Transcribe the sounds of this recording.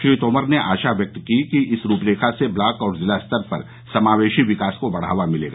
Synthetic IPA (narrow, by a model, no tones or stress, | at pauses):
ʃɾiːt̪oːməɾneʔa̰ːʃaʋjɐk̚t̪kikiʔɪsɾuːpɾeːkʰaseblaːkɔːɾzɪlast̪əɾpɐ̰ɾ | sɐmaːʋeːʃiʋɪkaːskobɐɽ̤a̰ːʋamɪlḛːɡaː